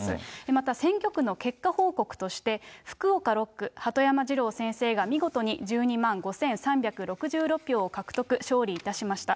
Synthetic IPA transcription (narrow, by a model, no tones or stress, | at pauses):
emat̪asẽ̞ŋkʲo̞kɯ̟no̞ke̞kːaho̞ːko̞kɯ̟̥t̪o̞ɕi̥t̪e̞ɸɯ̟̥kɯ̟o̞kaɾo̞kːɯ̟hat̪o̞jamaʑiɾo̞ːsẽ̞ɰ̃se̞ːɡamʲiɡo̞t̪o̞ɲ̟id͡ʑɨːɲ̟imãŋɡo̞sẽ̞ɰ̃sãmbʲakɯ̟ɾo̞kɯ̟ʑɨːɾo̞pʲːjo̞ːokakɯ̟̥t̪o̞kɯ̟ɕo̞ːɾʲiːt̪aɕimaɕi̥t̪a